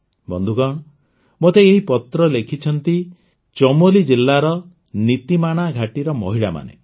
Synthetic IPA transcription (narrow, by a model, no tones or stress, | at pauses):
bɔ̰nd̪ʱukɔɳ̃ | mot̪eːɦipɔt̪ɾɔlekʰit͡ʃʰɔnt̪i | t͡ʃɔmolid͡ʒilːaɾɔ | nit̪imaɽ̃aɡʱaʈiɾɔmɔɦiɭama̰nḛ